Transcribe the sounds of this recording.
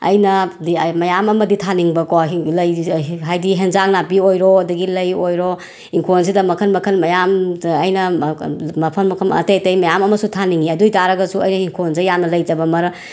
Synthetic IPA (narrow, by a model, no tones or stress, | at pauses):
ɐ̰jnɐdimɐjamɐmɐditʰaniŋbɐkoɦilɐjɦajdiɦenzaknapiojɾɔɐdɐɡilɐjojɾɔ | iŋkʰons̬idɐmɐkʰɐnmɐkʰɐnmɐjamːjnɐ | mɐpʰɐnmɐkʰɐmɐ̰tejtɐjmɐjamɐmɐsutʰaniŋiɐdujtaɾɐɡɐsuɐjnɐiŋkʰonzɐjamnɐlɐjd͡ʒɐbɐmɐɾɐ